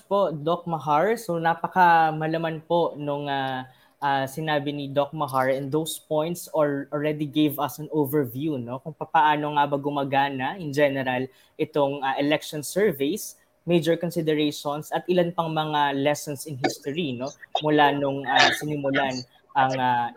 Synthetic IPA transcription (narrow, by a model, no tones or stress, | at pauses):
po̞d̪ok̚mɐɦaɹsonaːpɐkɐmɐlɐmanpo̞nʊŋa | ʔasɪnaːbɪnɪd̪ok̚mɐɦaɹɛnd̪owspõjnt̪solɔlɹɛd̪iɡevɐsɐ̃novɛɹvjuno̞kʊŋpɐpɐʔaːno̞ŋabɐɡʊmɐɡaːnɐʔɪnd͡ʒɛnɛɾɐl | ʔɪt̪o̞ŋaʔɛlɛk̚ʃonsɛɹvɛjs | mejd͡ʒɛɹkonsɪd̪ɛɹɛʃonsɐt̪ʔɪlanpɐŋmɐŋalɛsɔnsɪnɦist̪oɹino̞mʊlanʊŋasɪnɪmʊlan | ʔɐŋa